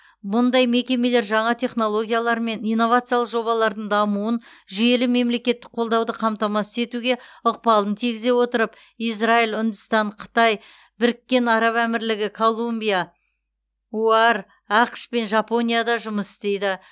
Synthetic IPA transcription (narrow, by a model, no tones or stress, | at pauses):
mʊnd̪ɑjme̞kʲe̞me̞le̞ɾʒɑɴɑt̪ʰe̞χno̞lˠo̞ɡʲijalˠɑɾme̞nijnːo̞vat̪sɨjalˠəqʒo̞βɑlˠɑɾd̪əɴd̪ɑmuwənʒʏje̞lɪme̞mle̞kʲe̞t̪ːɪk̚qʰo̞lˠd̪ɑwd̪əqʰɑmt̪ɑmɑsə̥ze̞t̪uɡʲe̞ʊq̚pɑlˠənt̪ʰiɡʲɪze̞wo̞t̪əɾəp | ijzraijlʲʏnd̪ʊst̪ɑɴqʰə̥t̪ɑj | bɪɾɪkʲːe̞nɑɾɑpæmɪɾlɪɡʲɪkʰo̞lˠumbʲija | uɑɾ | ɑqʃpe̞nʒɑpo̞nʲijad̪ɑʒʊməsɪ̥st̪e̞jd̪ɪ